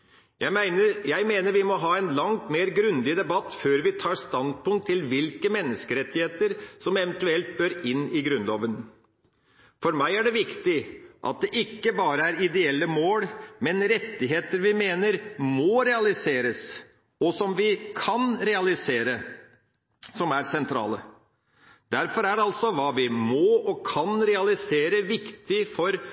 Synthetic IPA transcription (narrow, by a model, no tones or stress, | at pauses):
jæɪmæɪnəɾjæɪmeːnəɾʋɪmɔɦɑːɛnlɑŋt̪meːɾɡɾʉnd̪ɪd̪ɛbɑt̪ːføːɾʋɪt̪ʰɑːst̪ɑnd̪̚pʰʊŋt̪ʰːɪlʋɪlkəmɛnːəskəɾɛt̪ːɪheːt̪əɾsɔmɛʋənt̪ʉɛlt̪̚bøːɾɪnːɪɡɾʉnlo̰ːʋən | fɔɾmæɪæɖɛʋɪkt̪ɪʔɑ̰t̪̚d̪ɛʔɪkːəbɑːɾəæɾɪd̪ɛɛlːəmoːɽmɛnɾɛt̪ːɪɦeːt̪əɾʋɪmeːnəɾmɔɾɛɑlɪseːɾəs | ɔsɔmʋɪkʰɑnɾɛɑlɪseːɾə | sɔmæɾsɛnt̪ʰɾɑ̰ːlə | d̪æɾfɔɾæɾɑlsɔʋɑːʋɪmɔɔkʰɑnɾɛɑlɪseːɾəʋɪkt̪ɪfɔɾ